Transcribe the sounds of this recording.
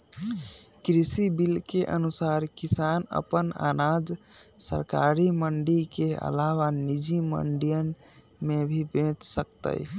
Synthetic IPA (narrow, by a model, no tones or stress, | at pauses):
kɾisibilkeʔənusaɾkisanə̰pəna̰nad͡ʒ | sə̰ɾkaɾiməɳɖikeə̰lawanid͡ʒimə̰ɳɖijən | mebʱibẽt͡ʃsək̚t̪ə̰j